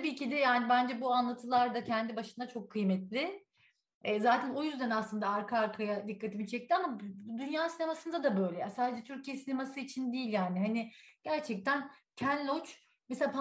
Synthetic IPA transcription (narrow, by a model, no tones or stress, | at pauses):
t̪ʰabiːcid̪ɛjaːnibænd͡ʒɛbuanlˠat̪ʰɯlˠaɾd̪acʰɛnd̪ibaʃɯnd̪at͡ʃʰo̞kʰːɯjmɛt̪lʲɪ | ɛːzaːt̪ʰæno̞jyzd̪ænaslˠɯnd̪aaɾkʰaaɾkʰajad̪ikːat̪ʰimit͡ʃʰɛc̚t̪ʰiamabd̪ynjaːsine̞masɯnd̪ad̪abø̞jlʲɛjasaːd̪ed͡ʒɛt̪ʰyɾcijɛsinemasɯit͡ʃʰind̪ijːilʲjaːnɪɦanɪɟ̥æɾt͡ʃʰɛc̚t̪ʰæncʰænlʲot͡ʃ | mseapʰa